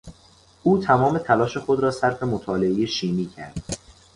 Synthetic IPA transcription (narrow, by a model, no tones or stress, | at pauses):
ʔuːt̪ʰæmɒːme̞t̪ʰælɒːʃe̞xo̞d̪ɾɒːsæɾfe̞mot̪ʰɒːle̞ejeʃiːmiːcʰæ̰ɾd̪̥